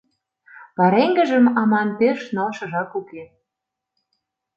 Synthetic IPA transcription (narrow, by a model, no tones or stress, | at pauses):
pɑɾeŋɡə̆ʒə̆mɑmɑnpeʃnolʃɤ̆ʒɑkuke